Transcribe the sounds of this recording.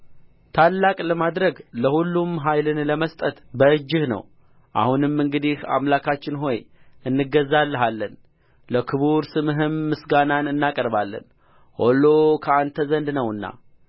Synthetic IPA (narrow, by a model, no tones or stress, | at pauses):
t̪ʰalːakʼləmad̪ɾəɡləhulːumɦajlɨnləməst̪ʼət̪bəɨd͡ʒːɪhnə̰w | ʔa̰hunɨmɨŋɡɨd̪iha̰mlakʰat͡ʃːɪnɦo̞jɨnːɨɡəzːalːəɦalːən | ləkʰɨβuɾsɨmɦɨmːɨsɡananɨnːakʼəɾbalːə̰n | ho̞lokʰəant̪ʰəzənd̪nəwɨnːa̰